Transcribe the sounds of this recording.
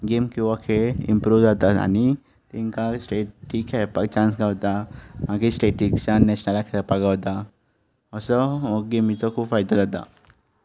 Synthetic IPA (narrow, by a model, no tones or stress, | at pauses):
ɡemkuʋakʰeɪ̰̃mpɾuʋd͡ʒat̪aa̰ni | t̪eɪnkasʈeʈʰːikʰɛpakt͡ʃãːnsɡawt̪aãkisʈeːʈiksanɛʃnəlakʰepaɡawt̪a | ɔsɔoɡemit͡sokʰufajd̪ad͡ʒat̪a̰